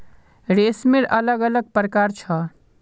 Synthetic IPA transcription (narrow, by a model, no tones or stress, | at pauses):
ɾeːsmeɾɐləɡələɡ̚pɾəkaːɾt͡ʃʰa